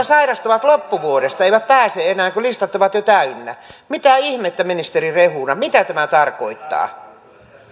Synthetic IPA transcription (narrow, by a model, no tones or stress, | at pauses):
ɑsɑirɑst̪oʋɑt̪lopːuʋuodest̪ɑeiʋæt̪̚pæːseenæːŋkølist̪ɑt̪ːoʋɑt̪jot̪æynːæ̰mit̪æːihmet̪ːæminist̪erirehuːnɑmit̪æt̪æmæt̪ɑrkoit̪ːɑ̰ː